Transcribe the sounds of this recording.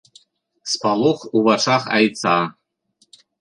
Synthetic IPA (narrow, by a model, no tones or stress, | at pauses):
spɑlˠuχuβɑʂɑχɑ̰jtt͡sɑ